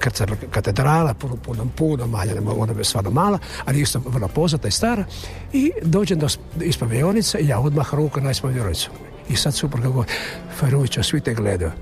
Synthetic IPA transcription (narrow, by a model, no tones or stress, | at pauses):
krt̪sapkat̪ed̪ɾaːlapunpunampuːnamaːɲanemoonast̪ʋaːɾnomaːla | aliist̪oʋər̩lˠopoznat̪naist̪aːɾa | id̪oːd͡ʒend̪os | ispaʋijonit̪saijaod̪maxɾuːkanaispaʋijonit̪su̥ | isad̪suprɡaɡoɾ | faɾut͡ʃosʋit̪eɡled̪ajo